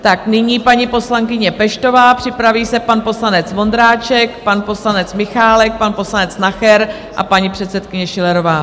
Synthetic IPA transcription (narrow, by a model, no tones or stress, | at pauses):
t̪aknɪɲiːpaɲipo̞slaŋkɪɲɛpɛʃt̪o̞vaːpr̥ɪpɾaviːsɛpanpo̞slanɛt͡svo̞nd̪ɾaːt͡ʃɛkpanpo̞slanɛt͡smɪxaːlɛk̚panpo̞slanɛt͡snaxɛɾ | ʔa̰paɲipr̝̥ɛt̪sɛt̪kɪɲɛʃɪlɛɾo̞vaː